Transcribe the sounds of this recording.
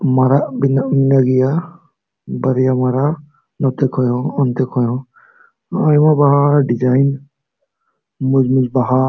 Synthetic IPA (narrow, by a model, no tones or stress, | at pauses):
maɾaʔbinaminaɡija | baɾijamaɾa | nɔt̪ɛkʰɔjɔ̃ɔnt̪ɛkʰɔjɔ̃ | ajmabaɦaɾɖid͡ʒajn | mʊd͡ʒmud͡ʒbaɦa